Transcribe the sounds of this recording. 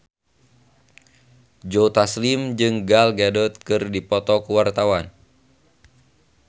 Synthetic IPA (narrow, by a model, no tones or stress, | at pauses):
d͡ʒot̪aslimd͡ʒɨŋɡalɡadɔt̪̚kɨrdipɔt̪ɔkuwart̪awan